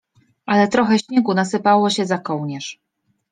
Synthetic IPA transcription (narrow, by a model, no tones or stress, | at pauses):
ʔalɛt̪ɾɔxɛɕɲeɡunasɘpawɔɕɛzakɔwɲɛʂ